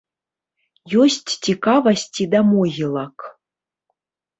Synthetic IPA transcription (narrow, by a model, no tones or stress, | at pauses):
josʲtʲːikavɐsʲtʲid̪amojɨlˠɑk